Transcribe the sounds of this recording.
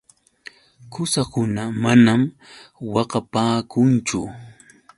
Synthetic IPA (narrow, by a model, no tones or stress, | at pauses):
kʊsakʊnamanamwɑqɑpaːkʊnt͡ʃʊ